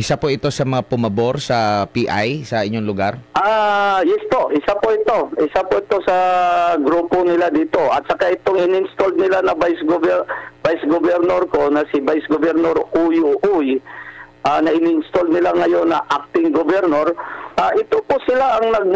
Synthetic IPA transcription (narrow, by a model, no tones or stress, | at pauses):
ʔɪsapoʔɪt̪o̞sɐmɐŋapʊmɐbo̞ɾsɐpiʔajsɐʔɪɲːo̞ŋlʊɡaɾʔaːjɛspo̞ʔɪsapoʔɪt̪o̞ʔɪsapoʔɪt̪o̞sɐɡɾuːponɪlad̪iːt̪o̞ʔɐt̪̚sɐkaʔɪt̪oŋɪnɪɪnst̪old̪̚nɪlanɐbajsɡobb̥ajsɡobɛɾnoɾko̞nɐsɪbajsɡobɛɾnoɾujuʔuj | ʔanɐʔɪniɪnst̪old̪̚nɪlaŋɐjo̞nːɐʔak̚t̪ɪŋɡobɛɾnoɾʔaʔɪt̪oposɪlaʔɐŋnɐɡ̚